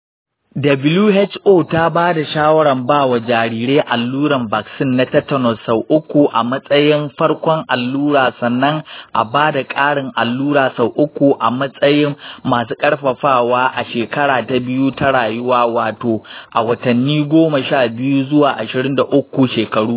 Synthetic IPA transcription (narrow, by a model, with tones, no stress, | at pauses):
dɐ˨bɪ˦luː˦hɛ˦t͡ʃʔoː˦˨ta˦baː˦da˨ʃaː˦wɐ˦ɽɐ˨mbaː˦˨wa˨d͡ʒaː˨ɽiː˨ɽeː˦ʔa˨lːuː˦ɽɐ˨mbaː˨ksɪ˦nːa˦tɐ˦tːɐ˨nɔ˨sa˨wʔʊ˦kʷu˨ʔa˨mɐ˦sʼɐ˦jɪ˦mɸɐ˦ɽkʷɔ˦ŋʔa˨lːuː˦ɽaː˨sɐ˨nːɐ˦ŋʔa˨baː˦da˨kʼaː˦ɽɪ˨ŋʔa˨lːuː˦ɽaː˨sa˨wʔʊ˦kʷu˨ʔa˨mɐ˦sʼɐ˦jɪ˦mːaː˨s̬uː˦kʼɐ˦ɽɸɐ˨ɸaː˦˨waː˦ʔa˨ʃeː˨kɐ˦ɽaː˨ta˨bɪ˦juː˦tɐ˦ɽaː˨jʊ˦waː˦waː˨toː˨ʔa˨wɐ˨tɐ˨nːiː˦ɡʷoː˦ma˨ʃaː˦˨bɪ˦ju˦zʊ˦waː˨ʔa˨ʃɪ˨ɽɪ˦nda˨ʔʊ˦kʷːu˨ʃeː˨kɐ˨ɽuː˦